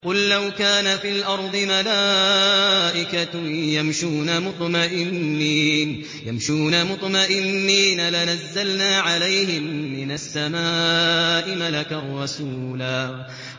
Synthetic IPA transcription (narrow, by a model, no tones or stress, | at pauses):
qʊlːawkaːnafiːlʔɑɾˤd̪ˤɨmalaː | ʔɪkajamʃuːnamʊt̪ˤmaʔɪnnːiːn | jamʃuːnamʊt̪ˤmaʔɪnːiːnalanazːalnaːʕalajhɪmːɪnasːamaːʔɪmalakarˤːɑsuːlaː